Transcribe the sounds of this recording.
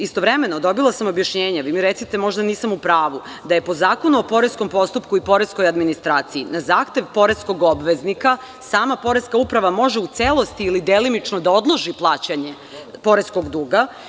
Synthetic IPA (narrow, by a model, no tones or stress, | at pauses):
ist̪oʋɾeme̞nod̪o̞bilˠasamobjaʃɲeːɲaʋimiɾet̪sit̪emo̞ʒd̪aniːsamupɾaːʋu | d̪aje̞po̞zaːko̞nuopo̞ɾesko̞mpo̞st̪upkuipo̞ɾesko̞jad̪minist̪ɾaːt̪siinazaːxt̪e̞ʋpo̞ɾe̞sko̞ɡo̞bʋe̞znika | saːmapo̞ɾe̞skaupɾaʋamo̞ʒeut̪selˠo̞st̪iːlid̪elinit͡ʃnod̪ao̞d̪lˠo̞ʒiplˠaːt͡ɕaɲe | po̞ɾesko̞ɡd̪uːɡa